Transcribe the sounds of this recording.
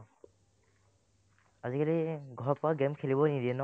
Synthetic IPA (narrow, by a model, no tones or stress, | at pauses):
azikaliɡʱɔɹpaɡɛmkʰelibɔnid̪iɛnɔ